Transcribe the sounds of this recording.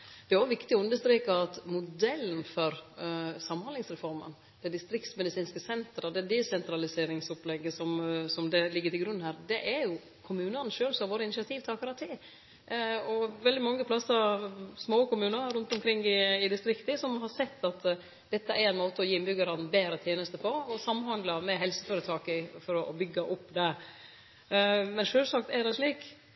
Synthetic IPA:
d̪̥ɛæɾjʊʋɪkt̪ɪɔʉnd̪əʂst̪ɾeːkəɑt̪mʊd̪ɛlːnfɔɾsɑmːhɑnlɪŋsɾɛfɔɾmə̰n | d̪̥ɛd̪ɪst̪ɾɪkt̪smɛd̪ɪsiːnskəsɛnt̪ɾəd̪ɛd̪ɛsɛnt̪ɾɑlɪseːɾɪŋsɔplɛɡːəsɔmsɔmd̪ɛlɪɡːət̪ʰɪlɡɾʉnːhæːɾd̪ɛʔæɾjʊ | kʰʊmʉːnəɾnʃøːlsɔɑɾʋoːɾəɪnɪʂɪɑt̪ʰiːʋt̪ʰɑːkəɾɑt̪ʰɪ | ɔʋɛld̪ɪmɑŋːəpʰlɑsəɾsmoːkʊmʉːnəɾʉnt̪ʊmkʰɾɪŋːɪɪd̪ɪst̪ɾɪkt̪əsɔmɦɑɾsɛt̪ːɑt̪ | d̪̥ɛt̪ːəʔæɾɛɪnmoːt̪əɔjiːɪnbʏɡɑɾɑnbeːɾət̪ʰjeːnəst̪əpʰɔɔsɑmːnhɑnd̪lɑmɛɦɛlsə̥føːɾət̪ʰɑːkɪfɔɾɔɔbʏɡːɑʔʊpːd̪ɛ | mɛnʂøːlsɑk̚t̪æɖɛʂɭiːk

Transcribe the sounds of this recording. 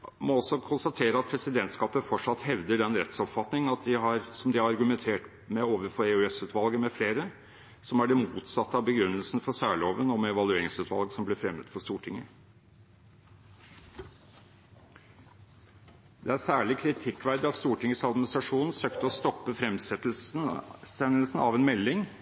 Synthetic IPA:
mɔɔsɔkʰʊnst̪ɑt̪ʰeːɾəɑt̪̚pʰɾɛsɪd̪ɛnt̪skɑːpəfɔʈʂɑt̪ːhɛʋd̪əɖɛnɾɛ̰t̪sɔpfɑt̪nɪŋɑt̪̚d̪ɪɦɑɾsɔmd̪ɪhɑɾɑɾɡʉmɛnt̪ʰeːʈ | mɛoːʋəɾfɔɾɛʉɛsʉːt̪ʋɑlɡəmɛfleːɾə | sɔmæɖɛmuːt̪sɑt̪ːəɑbəɡɾʉnːəlsn̩fɔsæːɭoːʋənɔmɛɛʋɑlʉeːɾɪŋsʉːt̪ʋɑ̰lɡsɔmblɛfɾɛmət̪fɔʂt̪uːʈʰɪŋːə | d̪̥ɛæɾsæːɭɪkʰɾɪt̪ʰɪkːʋæɾd̪əɑt̪st̪uːʈɪŋːəsɑd̪mɪnɪst̪ɾɑʂuːnn̩søːkt̪əɔst̪ɔpːəfɾɛmsɛt̪l̩snsɛnːəlsn̩ɑ̰ʋɛːnmɛlːɪŋ

